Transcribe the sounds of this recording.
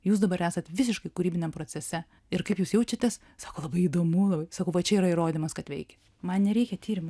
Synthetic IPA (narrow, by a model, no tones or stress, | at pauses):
juːs̬d̪ɐbɐɾæːsɐt̪ʋʲɪs̬ʲɪʃkɐɪkʊɾʲiːbʲɪnʲɛmpɾoːtt͡s̪ʲɛsʲɛ | ɪɾkɐɪpjuːsjɛʊt͡ʃʲɐt̪ʲɛs | sɑːkoːlˠɐbɐɪid̪oːmulˠɐbɐɪsɐkɐʊʋɐt͡ʃʲɛiːɾɐiɾoːd̪ʲimɐskɐt̪ʋʲɛɪkʲɛ̥ | mɐnnʲɛɾʲɛɪkʲɛt̪ʰʲiːɾʲɪm